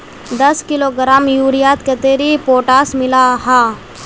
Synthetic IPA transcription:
d̪ɐskɪloɡəɾaːmjuːɾijaːt̪ket̪eːɾipoːʈaːsmɪlaɦaː

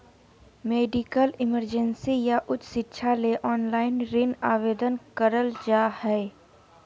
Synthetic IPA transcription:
meːɖɪkəlɪməɾd͡ʒənsijaʔʊt͡ʃsɪtːʃʰaleʔɔːnlaːɪnɾɪnaːʋeːd̪ənkəɾəld͡ʒaːhɛ

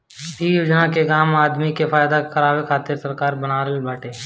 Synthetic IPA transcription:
biːjoːd͡ʒnakeɡaːmaːd̪mikefaːjd̪akəɾaːwekʰaːt̪ɪɾsɐɾkaːɾbɐnaːɾəlbʱaːʈeː

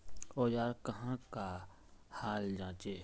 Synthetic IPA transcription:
oːjaːɾkɐɦãka | haːld͡ʒãːt͡ʃeː

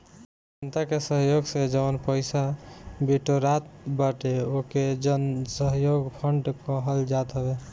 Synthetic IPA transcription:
d͡ʒənt̪akesəɦjoɡsed͡ʒənpəɪsabiʈoɾat̪̚baʈeoked͡ʒənsəɦjoɡpʰəɳɖkəɦəld͡ʒat̪ɦəbe

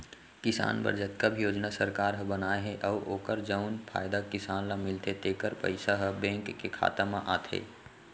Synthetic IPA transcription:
kɪsa̰ːnbə̰ɾd͡ʒət̪kəbʱijoːd͡ʒnasəɾkaːɾɦə̃bənaːeɦɛ̃ʔəuʔoːkəɾd͡ʒəʊnpʰa̰ːjd̪akɪsaːnlamɪlt̪ʰet̪eːkəɾpə̰ɪsaɦəbɛ̃ːŋkːekʰa̰ːt̪əmaʔaːt̪ʰɦḛː

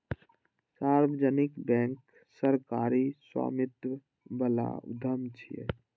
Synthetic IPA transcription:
saɾbəd͡ʒənikbɛ̃ŋk | səɾkaɾiswa̰mit̪wə | bəla̰ṵd̪ʱəmt͡ʃʰijḛ

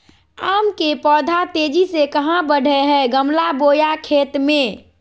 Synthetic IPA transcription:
aːmkepɔːd̪ʱat̪eːd͡ʒisekəɦãbəɽ̤ʱeɦɛɡəmlabojakʰeːt̪mẽ

